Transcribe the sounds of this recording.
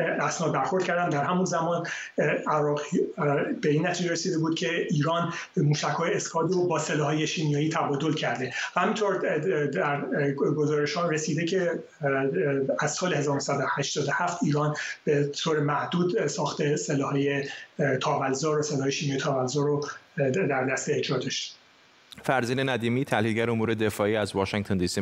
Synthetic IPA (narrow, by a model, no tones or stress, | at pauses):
æsnɒːd̪̚bæɾxo̞ɾd̪kcæɾd̪æmd̪æɾɦæmunzæmɒːn | æɾɒːɣibeiːnːæt̪ʰiːd͡ʒeɾesiːd̪ebuːd̪̥̚cʲʰe̞ʔiːɾɒːn | muːʃæcʰhɒːjeeskʰɒːd̪robɒːselɒːɦɒːje̞ʃiːmijɒːjiːt̪ʰæbɒːd̪o̞lcʰæɾd̪e̞hæmint̪ʰoɾd̪æɾɡozɒːɾeʃhɒːɾesiːd̪ecʰe | æz̥sɒːlehe̞zɒːɾonosæd̪ohæʃt̪ɒːd̪ohæft̪iːɾɒːnb̥et̪ʰoːɾemæhd̪uːd̪sɒːxt̪e̞selɒːhɒːje̞t̪ʰɒːvælzɒːɾose̞lɒːɦɒjeʃinmjɒːjt̪ʰɒːvælzɒɾod̪æɾd̪æst̪eːd͡ʒɒːd̪ɒʃt̪e̥ | fæɾziːnenæd̪iːmiːt̪ʰælilɟæɾeomuːɾed̪efɒːiːæzvɒːʃiŋt̪ʰond̪isi